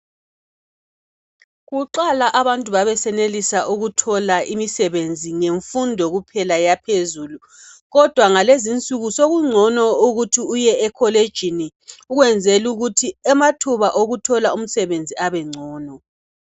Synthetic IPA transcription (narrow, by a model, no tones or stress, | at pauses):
ɣuǃalaʔaβantʼuβaβɛsɛnelisaʔuɣutʰɔlaʔimisɛβend͡zʱiŋeɱfundʱɔɣupʰɛlajapʰezuːlu | ɣɔd̥ʱwaŋalezint͡sʼuɣusoɣuŋ͡ǀʱɔnɔuɣutʰiujɛɛkʰɔled̥ʒ̥ʱini | uɣwɛnd͡zʱɛluɣutʰiɛmatʰuβaʔoɣutʰɔlaum̩sɛβend͡zʱiaβɛŋ͡ǀʱɔːnɔ